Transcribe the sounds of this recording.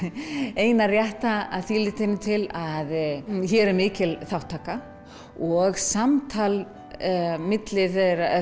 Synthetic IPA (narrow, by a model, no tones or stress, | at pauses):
eːjnarjɛht̪aaðθiːlɪt̪ʰɪnːɪt̪ʰɪlaðçɛːɾɛɾmɪːcɪlθawht̪ʰːaːka | ɔɣsamt̪ʰal | mɪt̪lɪθeɾa